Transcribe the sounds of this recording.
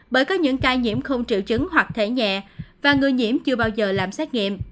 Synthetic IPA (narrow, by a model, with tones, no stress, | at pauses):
ɓəː˧˩jkɔ˨˦ɲɨ̰˧˥ŋkaː˧jɲḭ˧˨əmxə˧wŋ͡mt͡ɕḭ˧˨wt͡ɕɨ˨˦ŋɦwa˨˩k̚t̪ʰe˧˩ɲɛ̰˧˨vaː˨˩ŋɨ˨˩əjɲḭ˧˩əmt͡ɕɨ˧əɓaː˧wzəː˨˩laː˨˩msɛ˦˥t̚ŋḭ˧˨əmʔ